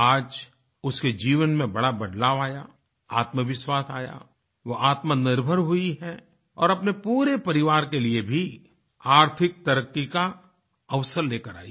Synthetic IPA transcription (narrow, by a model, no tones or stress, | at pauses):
aːd͡ʒ | ʊsked͡ʒiːʋənmẽbɐɽabɐɖlaːʋaːja̰ | a̰ːt̪məʋɪʃwaːsaːja̰ | ʋoʔaːt̪manɪɾbʱəɾɦʊiɦɛ | ɔ̰ːɾɐpnepuːɾepɐɾɪʋaːɾkeliebʱi | aːɾt̪ʰɪk̚t̪ɐɾəkːika | ɐʋsəɾleːkəɾa̰ːḭ